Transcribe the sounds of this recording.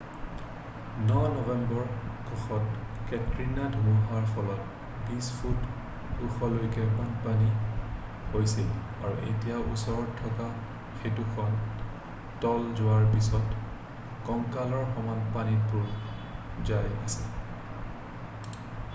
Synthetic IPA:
nɔnɔvɛmbɔɹkʰɔxɔtkɛtɹinadʱumuɦaɹpʰɔlɔt | bisfʰut | uxɔlojkɛmɔnpani | hojsil | aɹuʔḛtijaʔṵsɔɹɔtʰːɔka | xetukʰɔn | tɔlzʊwaɹpisɔt | kɔŋkalɔɹxɔmanpanipuɹ | zaja̰sɛ

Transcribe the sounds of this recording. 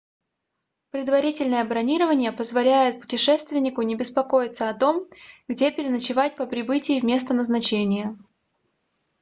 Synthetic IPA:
pɾʲɪd̪vɐɾʲitʲɪlʲnəjəbɾɐnʲiɾəvənʲɪjəpəzvɐlʲæjɪt̪̚pʊ̥tʲɪʂɛst̪vʲɪnʲɪkʊnʲɪbʲɪspɐko̞jɪt̪səɐt̪o̞mɡdʲepʲɪɾʲɪnət͡ɕɪvat̚ʲpəpɾʲɪbɨtʲɪjɪvmʲe̞st̪ənəznɐt͡ɕenʲɪjə

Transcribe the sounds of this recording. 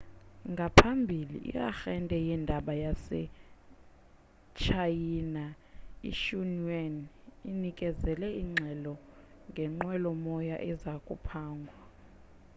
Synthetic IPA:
ŋɡʱapʰambʱilḭʔḭja̰xɛndʱɛjindʱaɓajasɛ̰ | t͡ʃʰajiːna | ḭʃunaninikʼɛzɛlɛiŋ͡ǁʱɛlɔ | ŋɡʱɛŋ͡ǃwɛlɔmɔja̰ʔɛzakʼupʰaːŋɡʱwa

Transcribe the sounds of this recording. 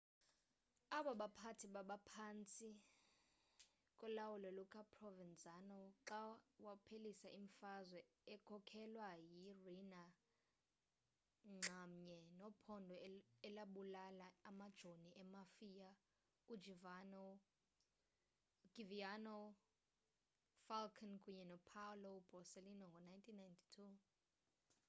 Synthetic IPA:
aɓaɓapʰatʰiɓaɓapʰaːnt͡sʼi | kʼɔlawulɔlukʰʼapʰʼrɔvɛnd͡zʼanɔǁawapʰelisaʔiɱfazwɛ | ɛkʰɔkʰɛlwajirina | ŋ͡ǀʱamɲɛnɔpʰɔndʱɔɛlaɓulalaamad̥ʒ̥ʱoniʔɛmafija | udd͡ʒʱivanɔ | ɡ̥ivianɔ | falkʰankʰuɲɛnɔpʰalɔb̥ʱɔselinɔŋɡʱɔnajntʰinːajntʰi̥tʰu

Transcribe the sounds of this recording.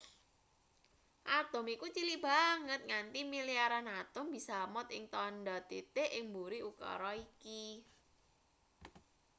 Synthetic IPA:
ʔat̪ʊmikut͡ʃilibaŋət̪̚ŋant̪imiliaɾanat̪ʊmbisamɔt̪̚ɪŋt̪ɔndat̪et̪eʔɪŋmbuɾiukɔ̰ɾɔiki

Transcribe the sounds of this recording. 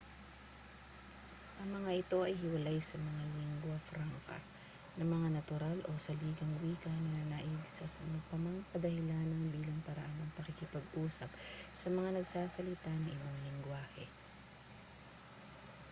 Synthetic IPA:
ʔɐŋmɐŋaʔɪt̪o̞ʔɐjhɪwɐlajsɐmɐŋalɪŋɡwɐfɾaŋkɐ̰ | nɐŋmɐŋanɐt̪ʊɾalʔo̞sɐliːɡɐŋwiːkɐnɐnɐnaʔɪɡsɐsɐmɐpɐmaŋkɐd̪ɐhɪlaːnɐŋbiːlɐŋpɐɾɐ̰ʔanɐŋpɐkikɪpɐɡʔuːsɐp̚sɐmɐŋanɐɡsaːsɐlɪt̪anɐŋʔɪbaŋlɪŋɡwaːhɛ̰

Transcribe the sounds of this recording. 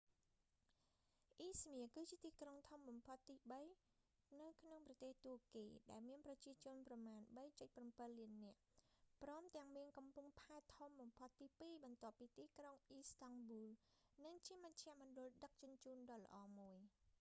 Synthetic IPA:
ʔiːsmiəkɨːt͡ɕiət̪iːkroŋt̪ʰomɓɑmpʰot̪ːiːɓəj | nɨwkʰnoŋprɑt̪eːht̪uəkiːɗaɛlmiənprɑt͡ɕiət͡ɕʊ̆ənprɑmaːnɓəjt͡ɕəc̚prɑmpɨlːiənːɛ̆əʔprɑːmt̪ɛ̆əŋmiəŋkɑmpuŋpʰaɛt̪ʰːomɓɑmpʰot̪ːiːpiːɓɑnt̪ŏəpːiːt̪iːkroŋʔiːst̪ɑŋɓuːlnɨŋt͡ɕiəməc̚t͡ɕʰɛ̆əʔmŏnɗʊ̆əlɗək̚t͡ɕʊ̆ənt͡ɕuːnɗɑːlə̰̆ʔɑːmuəj

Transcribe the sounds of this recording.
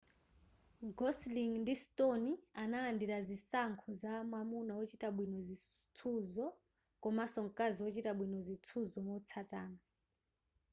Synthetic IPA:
ɡɔsliŋndistɔnianalandiɾazisaŋkʰuzaːmwamunaɔt͡ʃitaɓwinɔzit͡sʰuzɔ | kɔmasɔŋkaziɔt͡ʃitaɓwinɔzit͡sʰuzɔmɔt͡sʰatʼaːna

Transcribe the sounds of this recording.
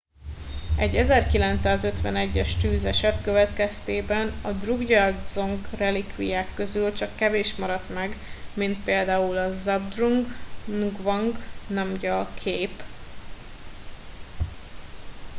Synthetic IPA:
ɛɟːɛzɛrkilɛnt̪saːzøt̪ʋɛnɛɟːɛʃt̪yːzɛʃɛt̪køvɛt̪kɛst̪eːbɛnɒd̪ruɡɟɒld̪zoŋɡrɛlikʋḭjaːkːø̞zylt͡ʃɒkːɛveːʃmɒɾɒt̪mɛɡmint̪peːld̪aːulɒzɒb̚d̪ruŋɡnuɡvɒŋɡnɛmɟɒlkʰeːp

